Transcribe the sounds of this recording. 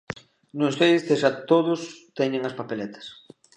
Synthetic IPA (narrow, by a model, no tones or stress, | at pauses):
nost̪eðɪsðeʃat̪oðʊst̪ɛɲẽŋɐspapelɛt̪ʰɐ̥s